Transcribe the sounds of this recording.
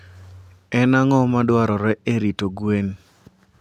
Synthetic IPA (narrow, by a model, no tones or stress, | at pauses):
ɛnaŋɔmadwaɾɔɾɛeɾitoɡwen